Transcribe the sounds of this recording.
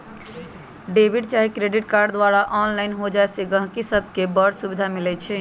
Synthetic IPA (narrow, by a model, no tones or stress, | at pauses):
ɖebʱiɖt͡ʃaɦikɾeɖiʈkaɾɖd̪ʋaɾaʔɔnlaɪnɦod͡ʒaeseɡə̃ɦkisəbʱkebəɾɖsubid̪ʱamilɛt͡ʃʰɛ